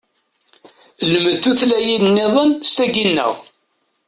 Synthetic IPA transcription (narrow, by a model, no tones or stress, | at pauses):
ləməðθuθlæjidnːeðˤənst̪æɡinːə̰ʁ